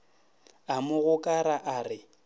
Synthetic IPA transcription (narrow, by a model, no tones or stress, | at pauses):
amʊɣʊkʼaɾaʔarɪ